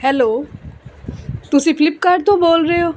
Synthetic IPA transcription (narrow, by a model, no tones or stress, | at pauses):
hɛlo | t̪uʃiflip̚kaɾt̪obolɾeo